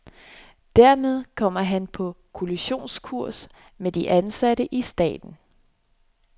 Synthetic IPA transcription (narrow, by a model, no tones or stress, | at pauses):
d̥æɐ̰með̞ˠkʰɒ̽m̰ɐɦænpʰɒ̽ | kʰo̝liɕo̝̰ːnskʰuɐ̰s | med̥iʔænsæɾəʔisd̥ɛ̰ːd̥n̩